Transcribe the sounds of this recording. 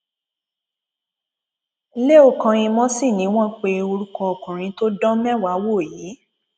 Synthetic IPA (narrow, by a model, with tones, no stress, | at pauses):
le˦o˦˨kã˨˧ĩ˧mɔ̃˦si˦˨nĩ˨˦w̃ɔ̃˦k͡pe˧o˧ɾu˦kɔ˧o˨kũ˨ɾ̃ĩ˨˦to˦dɔ̃˦mɛ̃˦wa˨˦wo˦˨jiː˨˦